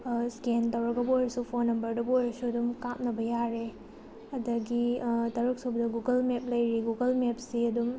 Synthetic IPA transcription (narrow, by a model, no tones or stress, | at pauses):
skentɐwɾɐɡɐbojɾɐsupʰonːɐmbɐɾdɐbojɾɐsuɐdumkam̚nɐbɐjaɾe | ɐdɐɡitɐɾuk̚sobɐdɐɡuɡɐlmep̚lɐjɾiɡuɡɐlmep̚siɐdum